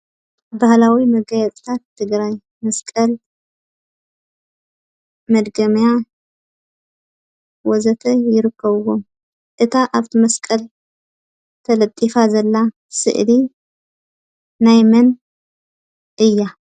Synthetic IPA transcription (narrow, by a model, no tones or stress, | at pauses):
bahlawimɐɡajɛt͡sʼt̪ʰat̪ʰːɨɡɾaj | mɐskʼɐl | mɐd̪ɡɐmja | wɔzɐt̪ʰɐjɪɾɨkʰːɐβɨwo | ʔɨt̪ʰaʔaβt̪ʰimɐskʼɐl | t̪ʰɐlɐt̪ʼːifazɐlːa | sɨ̰ʔli | najmɐn | ʔɨjːa